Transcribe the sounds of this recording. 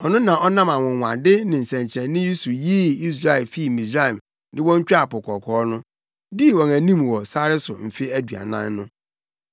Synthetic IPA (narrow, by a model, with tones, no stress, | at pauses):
ɔ˨nʊ̃˦nã˨ʔɔ˦nã˦mã˨wɔ̃˨wã̰˨dɪ˦nɪ̃˨n̩˨sɛ̃˨ɲ˨t͡ɕʰɛ̃˨n˦nɪ̃˦ji˦su˨jiː˦i˦s̬ɾa˦ɛ˨lfi˦˨mĩ˨sɾa˦˨ɛ˨m | dɪ̃˦wɔ̃˦ɲ˦t͡ɕᶣa˦˨pʊ˨kʰɔ˨kʰɔː˨˦nʊ̃˦ | di˦˨wɔ̃˨næ˨nĩ˦mwɔ˨sa˦ɾɪ˦sʊ˨m̩˨fe˦æ˦dɥa̰˨nã̰˦nːʊ̃˦